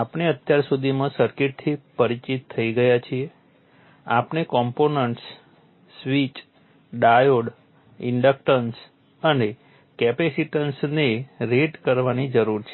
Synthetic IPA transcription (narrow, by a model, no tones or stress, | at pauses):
apneət̪jaɾsud̪ʱimãsəɾkɪʈ̚t̪ʰipəɾit͡ʃit̪ʰːəiɡəjat͡ʃʰie | apnekɔmponəɳʈsː | ʋit͡ʃ | ɖajoɽ | ɪ̰ɳɖək̚ʈəns | əne | kɛpesiʈənsneɾeɖkəɾʋanid͡ʒəɾuɾt͡ʃʰe